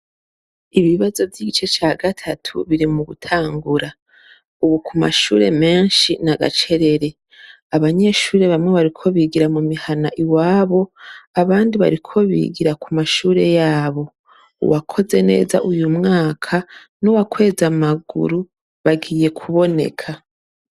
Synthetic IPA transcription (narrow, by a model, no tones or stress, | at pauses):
iβiβazo̞vjiːɡit͡ʃe̞t͡ʃaːɡatʰatʰṵβiɾimuɡutʰaːŋɡuɾa | uβukʰuma̰ʃṵːɾe̞̰me̞ːɲʃinaɡa̰t͡ʃe̞ɾe̞ɾe̞ | aβaɲe̞ʃuːɾe̞βamŋe̞βaɾikʰo̞βiɡiɾamumihanaʔiwaːβo̞aβaːndiβa̰ɾikʰo̞βḭːɡiɾakumaʃuːɾe̞jaːβo̞ | ṵwakʰo̞ze̞ne̞̰ːza̰ʔujumŋaːkʰa | nuwakwe̞ːzamaɡṵɾu | βaɡiːje̞kʰuβo̞ne̞̰kʰa